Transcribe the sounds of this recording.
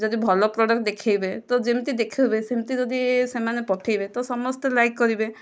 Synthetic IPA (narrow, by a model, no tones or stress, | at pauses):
d͡ʒɔd̪ibʱɔlɔpɾɔɖɔk̚ʈ̚d̪ekʰajbet̪ɔd͡ʒemt̪id̪ekʰiwbesemt̪id͡ʒɔd̪isemanepɔʈʰejbet̪ɔsɔmɔst̪elajkːɔɾibe